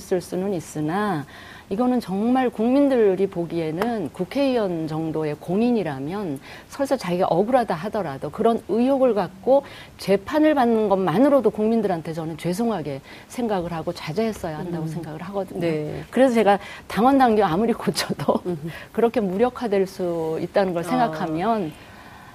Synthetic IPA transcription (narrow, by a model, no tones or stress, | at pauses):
s͈ɯɭs͈unɯnis͈ɯna | iɡʌnɯnt͡ɕʌŋmaɭkuŋmindɯɾipoɡie̞nɯnkukʰe̞iʌnd͡ʑʌŋdoe̞koŋiɲiɾamjʌnsʰʌɭs͈ʰʌt͡ɕaɡiɡa̰ʔʌɡɯɾadaɦadʌɾadokɯɾʌnɯjoɡɯɭkak̚k͈o | t͡ɕe̞pʰanɯɭbanːɯnɡʌnmanɯɾodokuŋmindɯɾantʰe̞t͡ɕʌnɯnt͡ɕwe̞sʰoŋɦaɡe̞ | sʰeŋɡaɡɯɭhaɡot͡ɕad͡ʑeɦe̞s͈ʌjahandaɡosʰe̞ŋɡaɡɯɭɦaɡʌdɯɲokɯɾe̞sʰʌt͡ɕe̞ɡataŋwʌndaŋɡjoamuɾikot͡ɕʰʌdokɯɾʌkʰe̞muɾjʌkʰadweɭs͈uit̚t͈anɯnɡʌɭsʰe̞ŋɡakʰamjʌn